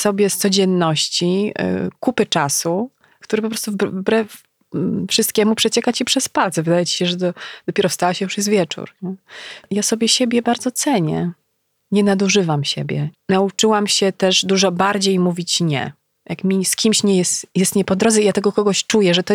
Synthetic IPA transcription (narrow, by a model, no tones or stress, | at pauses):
sɔbʲjɛst̪sɔd͡ʑɛnːɔɕt͡ɕḭkupɘt͡ʂasu | kt̪uɾɘp̬ɔpɾɔst̪uvvbɾɛf | fʂɨst̪̚kʲɛmupʂɛt͡ɕɛkat͡ɕipʂɛspalt̪sɛvɘd̪ajɛt͡ɕi̥ɕɛʐɛd̪ɔd̪̥ɔpʲɛɾɔfst̪awaɕɛjuʂjɛsvʲjɛt͡ʂṵɾɲɛjasɔbʲjɛɕebʲjɛbaɾd̪zɔt̪sɛɲɛ̰ | ɲɛnad̪uʐɘvamɕḛbʲjɛ̰naut͡ʂɘwamɕɛt̪ɛʐd̪uʐɔbaɾd͡ʑejmuvʲit͡ɕɲɛ̰ | ja̰kmʲiskʲimɕɲɛjɛsjɛst̪ɲɛpɔd̪ɾɔd̪zɛijat̪ɛɡɔkɔɡɔɕt͡ʂujɛʐɛt̪ɔ